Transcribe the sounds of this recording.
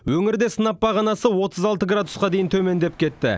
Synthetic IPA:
wɵŋɪɾd̪e̞sənɑp̚ːɑʁɑnɑsəwo̞t̪ʰəzɑlˠt̪əɡrad̪ʊsqɑd̪e̞jɪnt̪ʰɵme̞nd̪e̞p̚kʲʰe̞t̪ːɪ̰

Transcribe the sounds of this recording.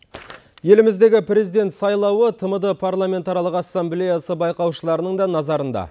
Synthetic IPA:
je̞lɪmɪzd̪e̞ɡʲɪpɾʲe̞zijd̪e̞nt̪sɑjlˠɑwət̪ʰəməd̪əpʰarlˠamʲe̞nt̪ɑɾlˠəqɑsːamblʲe̞jasəbɑjqɑwʃəlˠɑɾənəɴd̪ɑnɑzɑɾənd̪ɑ̰

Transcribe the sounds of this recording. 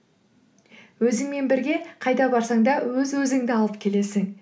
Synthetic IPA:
wɵzɪŋme̞nbɪɾɡʲe̞qʰɑjd̪ɑbɑɾsɑŋd̪ɑwɵzwɵzɪŋd̪ɪɑlˠəp̚kʲʰe̞le̞sɪŋ

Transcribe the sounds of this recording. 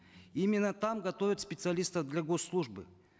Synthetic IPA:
imʲɪnːət̪amɡɐt̪ovʲɪt̪spʲɪt̪sɨɐlʲist̪əvd̪lʲaɡosːlˠuʐbɨ̰

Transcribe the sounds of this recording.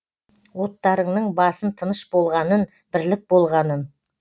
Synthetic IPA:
wo̞t̪ːɑɾəɴnəɴbɑsənt̪ʰənəʃbo̞lˠʁɑnən | b̥ɪɾlɪk̚bo̞lˠʁɑnən

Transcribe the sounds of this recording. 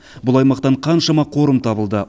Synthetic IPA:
bʊlˠɑjmɑqt̪ɑɴqʰɑnʃɑmɑqʰo̞ɾəmt̪ʰɑbəlˠd̪ə

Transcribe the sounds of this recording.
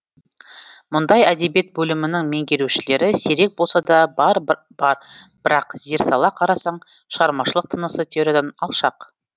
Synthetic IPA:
mʊnd̪ɑjæd̪e̞bije̞t̪̚bɵlɪmɪnɪŋme̞ŋɡʲe̞ɾuʃɪle̞ɾɪse̞ɾe̞k̚bolˠsɑd̪ɑbɑɾ | b̥ɑɾb̥ɪɾɑqzeɾsɑlˠɑqʰɑɾɑsɑɴ | ʃəʁɑɾmɑʃəlˠəq̚t̪ʰənəsət̪ʰeoɾʲed̪ɑnɑ̰lˠʃɑq

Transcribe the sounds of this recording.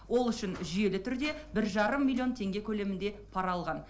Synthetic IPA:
wo̞lˠʏʃɪnʒʏje̞lɪt̪ʰʏɾd̪e̞bɪɾʒɑɾəmːilʲːio̞nt̪ʰe̞ŋɡʲe̞kʲʰɵle̞mɪnd̪e̞pʰɑɾɑlˠʁɑn

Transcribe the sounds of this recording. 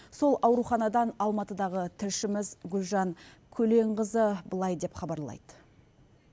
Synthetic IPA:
so̞lˠɑwɾuχɑnɑd̪ɑnɑlˠmɑt̪əd̪ɑʁət̪ʰɪɾʃɪmɪzɡʲʊlʒɑŋ | kʲʰɵle̞ɴʁəzəbəlˠɑjd̪e̞pχɑbɑɾlˠɑ̰jd̪̥ə

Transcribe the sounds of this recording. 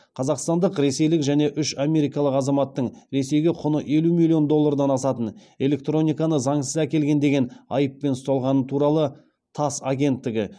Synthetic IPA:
qʰɑzɑqst̪ɑnd̪əqɾe̞se̞jlɪkʒæne̞ʔʏʃame̞ɾijkɑlˠəqɑzɑmɑt̪ːəɴɾe̞se̞jɡʲeqʰʊnəʔe̞lumilʲijo̞nd̪o̞lˠːɑrd̪ɑnɑsɑt̪ən | e̞le̞k̚t̪ɾo̞nʲijkɑnəzɑɴsəzækʲe̞lɡʲe̞nd̪e̞ɡʲe̞nɑ̰jəpːe̞nst̪ɑlˠʁɑnət̪ʰuɾɑlˠə | t̪ʰɑsaɡʲe̞nt̪ːɪɡʲɪ

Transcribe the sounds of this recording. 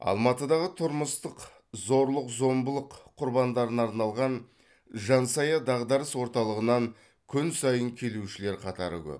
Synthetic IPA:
ɑ̰lˠmɑt̪əd̪ɑʁət̪ʰʊɾməst̪əq | zo̞ɾlˠəqzo̞mbəlˠəqʰːʊɾbɑnd̪ɑɾənɑɾnɑlˠʁɑn | ʒɑnsɑjɑd̪ɑʁd̪ɑɾəswo̞ɾt̪ɑlˠəʁənɑŋ | kʲʰʏnsɑjəŋkʲʰe̞luʃɪle̞ɾqʰɑt̪ɑɾʏ̰ɡʲɪ̰p

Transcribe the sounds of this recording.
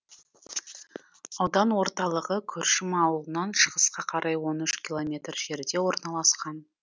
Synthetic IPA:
ɑwd̪ɑnwo̞ɾt̪ɑlˠəʁəkʲʰɵɾʃɪmɑwəlˠənɑnʃəʁəsqɑqʰɑɾʔɑjwo̞nʏʃkʲilˠo̞mʲe̞t̪rʒe̞ɾd̪e̞wo̞ɾnɑlˠɑsqɑn

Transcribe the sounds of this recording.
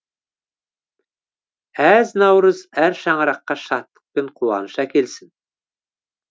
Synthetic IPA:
æznɑwɾɤzæɾʃɑɴɤ̆ɾɑqːɑʃɑt̪ːə̥q̚peɴqʰuwɑ̰nɤʃɑkelsɪn

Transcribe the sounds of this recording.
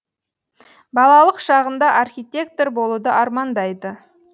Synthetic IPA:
bɑlˠɑlˠəqʃɑʁənd̪ɑʔɑrxʲijt̪ʲe̞k̚t̪orbo̞lˠud̪əʔɑɾmɑnd̪ɑjd̪ə

